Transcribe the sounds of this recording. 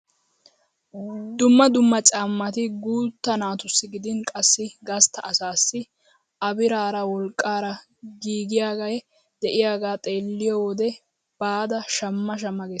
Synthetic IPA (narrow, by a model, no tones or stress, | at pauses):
d̪ʊmːɐd̪ʊmːɐt͡ʃʼaːmːɐt̪ɪɡuːt̪ːɐnaːt̪ʊsːɪɡɪd̪ɪnkʼɐsːɪɡɐst̪ʰːɐʔːsaːsːɪ | ʔɐbɪɾaːɾɐwɔlkʼːaːɾɐ | ɡiːɡɪjaːɡɐjɛ | d̪̥ɛʔɪjaːɡaːt̪ʼe̞ːlːɪjɔwɔd̪ɛ | b̥aːd̪ɐʃɐmːɐʃ̬ɐmːɐɡeː